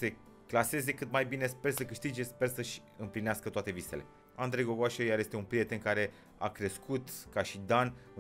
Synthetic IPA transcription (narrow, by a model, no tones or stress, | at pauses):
se̞ | klase̞ze̞kɨt̪majbine̞spe̞rsəkɨʃt̪id͡ʒe̞spe̞rsəʃʲ | ɨmplineaskət̪oat̪e̞vise̞̰le̞̰ | and̪ɾejɡoɡoaʃejaɾje̞st̪eunpɾije̞t̪e̞nkaɾe̞ | a̰kɾe̞skut̪kaʃid̪anu